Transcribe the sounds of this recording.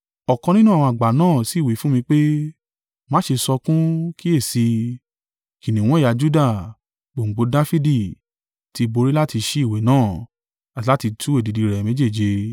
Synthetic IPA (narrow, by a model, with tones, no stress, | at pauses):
ɔ˨kɔ̃˧nĩ˦nũ˦ã˨ɔ̃˧a˨ɡ͡ba˨˦nãː˦˨si˨˦˨wi˨˦fũ˦mĩ˧k͡pe˦ | mãː˨˦ʃe˧sɔ˧kũ˦ki˦e˦˨si˧ | ki˨nĩ˨w̃ɔ̃˦˨a˧d͡ʒu˦da˦˨ | k͡po˨ŋ͡m̩˨ɡ͡bo˧da˦fi˦di˦˨ | ti˧bo˧ɾi˦la˦ti˧ʃi˦i˦˨we˨˦nãː˦˨ | a˨ti˨˦la˦ti˧tʰu˦e˦˨di˨˧di˧ɾɛ˨me˨˦d͡ʒe˦˨d͡ʒe˧